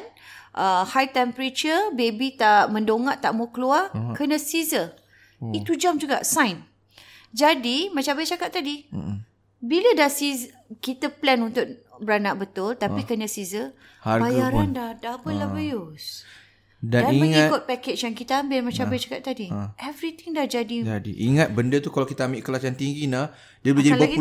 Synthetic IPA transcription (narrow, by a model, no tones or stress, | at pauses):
nʔəhajt̪ɛmpəɾet͡ʃəbebit̪aʔmə̃ndoŋaʔt̪aʔmukluakənə̃sizə | it̪ud͡ʒamd͡ʒuɡa̰ʔsãjn | d͡ʒadimat͡ʃãbajt͡ʃakat̪t̪ːadi | bilədahsiz | kit̪əplɛnunt̪ʊk̚bəɾanaʔ̚bət̪ʊlt̪apikəɲəsizə | haɾbajaɾandahdapəlabajʊs | dandaiəŋikʊt̪̚pɛket͡ʃjaŋkit̪əambɪlmat͡ʃãbajat͡ʃakatʔ̚t̪ːadiʔɛvɾit̪ɪŋdahd͡ʒadid͡ʒadḭʔiŋat̪̚bəndət̪ukalawkit̪əamɪʔkəlat͡ʃant̪iŋɡina | diəbləd͡ʒadilbaɡi